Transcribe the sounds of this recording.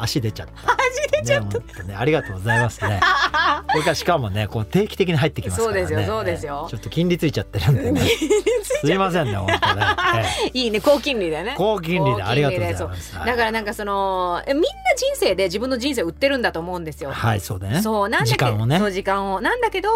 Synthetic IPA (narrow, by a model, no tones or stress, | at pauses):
aɕid̪e̞t͡ɕat̪ːɕid̪enaoneaɾʲiɡat̪oːɡozaimasɨnekoɾekaɾɕi̥kamo̞neko̞t̪e̞ːkʲi̥t̪e̞kʲiɲ̟iɦait̪ːekimaso̞ːad̪e̞sɨjoso̞ːd̪e̞sɨjo̞t͡ɕo̞t̪ːo̞kʲĩnɾʲit͡sɨit͡ɕat̪ːeɾɯ̟̃nd̪eneisɨimas̬ẽnːeoneeiːne̞ko̞ːkʲĩnɾʲid̪enekoːk̬ʲĩnɾʲid̪eaɾiɡat̪ɾiod̪esoːmsd̪akaɾanãŋkaso̞no̞emʲĩnːad͡ʑĩɰ̃se̞ːd̪e̞ʑibɯ̟̃nːoʑĩɰ̃s̬e̞ːɯ̟t̪ːe̞ɾɯ̟̃nd̪at̪o̞ːmo̞ɯ̟̃nd̪e̞sɨjo̞haiso̞ːd̪enesoːnãnd͡ʑ̪iakãonesoːʑikãɰ̃o̞nãnd̪ake̞d̪o̞